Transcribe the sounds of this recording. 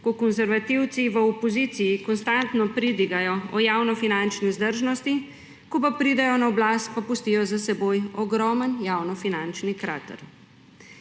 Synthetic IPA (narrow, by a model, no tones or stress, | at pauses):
kɔkɔnzɛɾʋat̪iwt̪siʋəɔpɔzit̪sijikɔnst̪ant̪nɔpɾid̪iɡajɔɔjaːwnɔfinant͡ʃnizd̪əɾʒnɔst̪i | kɔpapɾid̪ɛjɔnaɔblaːst̪̚papust̪iːjɔzasɛboːjɔɡɾɔːmənjawnɔfinant͡ʃnikɾa̰ːt̪ə̰ɾ